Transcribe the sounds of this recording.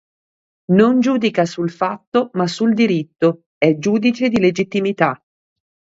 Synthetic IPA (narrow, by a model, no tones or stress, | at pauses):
nond͡ʒuːd̪ikasulfat̪ːomasːuld̪iɾit̪ːo | ɛd͡ʒuːd̪it͡ʃed̪iled͡ʒit̪ːimit̪a